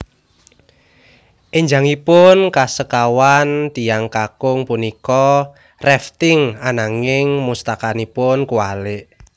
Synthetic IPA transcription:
ʔeɲd͡ʒa̤ŋipʊnkasəkawant̪ijaŋkakʊŋpunikɔ | rɛft̪ɪŋanaŋɪŋmust̪akanipʊnkuwalɪʔ

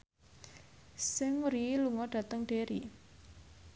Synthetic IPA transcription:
sɪŋɾiluŋɔɖ̥ä̤t̪əŋɖ̥eɾi

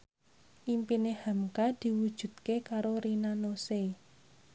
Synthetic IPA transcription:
ʔimpinehamkad̪̥i̤wud̥ʒ̥ṳd̪̚kekaɾoɾinanose

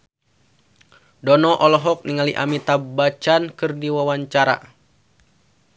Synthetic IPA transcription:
dɔnɔʔɔlɔɦɔk̚niŋaliʔa̰mit̪abat͡ʃankɨrdiwawaɲt͡ʃaɾa̰

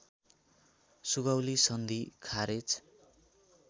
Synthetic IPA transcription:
suɡawlisʌnd̪ʱikʰaɾet͡s

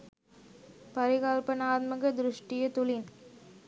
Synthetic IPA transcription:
pɐɾɪɣaːlpɐnaːt̪̚mɐɣɐd̪ɪɾʊʂʈɪjɐt̪ʊlɪn

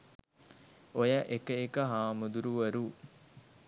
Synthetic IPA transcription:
ojəʔekəekəɦaːmud̪uɾuʋəɾu

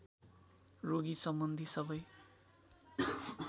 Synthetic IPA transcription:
roɡisʌmbʌnd̪ʱisʌbʌj

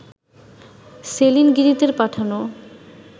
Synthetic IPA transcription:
selinɡiɾit̪eɾpaʈʰano

